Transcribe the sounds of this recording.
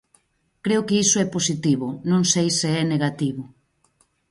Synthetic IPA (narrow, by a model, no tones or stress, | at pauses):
kɾeʊkɪisʊɛposit̪iβʊnõŋsejseɛneɣat̪iβʊ